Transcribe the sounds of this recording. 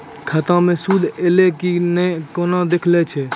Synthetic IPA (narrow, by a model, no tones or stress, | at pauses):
kʰət̪ãmẽːsuːd̪ʱeːlekinekoːnãːd̪ekʰlet͡ʃʰeː